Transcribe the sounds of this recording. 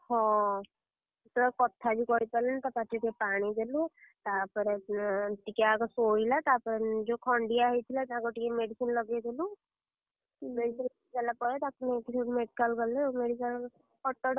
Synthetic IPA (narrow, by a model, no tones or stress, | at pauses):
hɔ̃ | t̪ɔkɔt̪ʰːabikɔɾit̪alɛnt̪apatʰikepaɽ̃id̪elut̪apɔɾɛʈikakɔsoilat̪apɔɾed͡ʒokʰɔɳɖijaɦɔjt̪ʰilat̪aɡɔʈikemeɖisinlɔɡed̪ɔlu | beisil | kalapɔɾɛt̪aknekisʰemeɖikalɡɔlɛmeɖikal | ɔʈːɔɽ